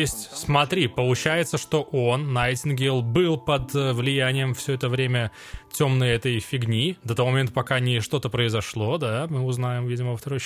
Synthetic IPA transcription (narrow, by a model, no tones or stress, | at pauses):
jesʲtʲsmɐt̪ɾʲipəlˠʊt͡ɕæjɪt̪səʂt̪o̞ʔo̞nːajtʲɪnɡʲelˠbɨlˠpəd̪vlʲɪjænʲɪjəmfsʲɵɛt̪əvɾʲemʲə | tʲo̞mnəjɛt̪əjfʲɪɡnʲid̪ɐt̪ovomɐmʲent̪əpɐkanʲɪʂt̪o̞t̪əpɾəɪzɐʂlˠo̞d̪amɨʊznajɪmvʲidʲɪməvəft̪ɐɾoj